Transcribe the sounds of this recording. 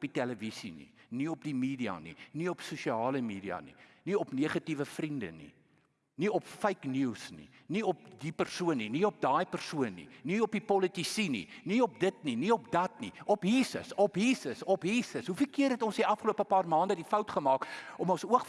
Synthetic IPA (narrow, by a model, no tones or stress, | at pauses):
pitɛləvisinḭniɔp̚dimiːdiɐ̰nḭniɔpsuʃiɑːləmiːdiɐ̰nḭniɔpniəχɐtivəfrində̰nḭ | niɔpfəjknusnḭ | niɔp̚dipərsuənːiniɔp̚dɑːjpərsuənːḭniɔpipɔlətisinḭniɔp̚dətniniɔpdɐtnḭɔpɦiːsə̰sɔpɦiːsəsɔpɦiːsəsɦufəlkiərɦɛtɔnsiʔɐfχəluəpəpɑːrmɑːndədifɐwtχəmɑːkɔmɔnsuə